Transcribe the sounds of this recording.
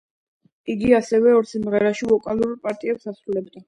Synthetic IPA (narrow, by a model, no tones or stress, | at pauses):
iɡiasɛvɛɔɾt̪sʰimʁɛɾaʃilˠɔkʼalˠuɾpʼaɾt̪ʼiɛpsasɾulɛbd̪a